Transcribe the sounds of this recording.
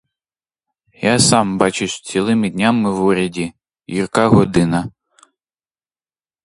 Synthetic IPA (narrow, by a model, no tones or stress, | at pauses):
jasɑmbɑt͡ʃʊsʲt͡sʲilˠɪmɪdʲnʲamɪwuɾʲɐdʲi | jirkɑɦɔd̪ɪnɐ